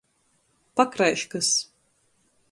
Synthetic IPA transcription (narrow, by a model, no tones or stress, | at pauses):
pakɾajʃkɨs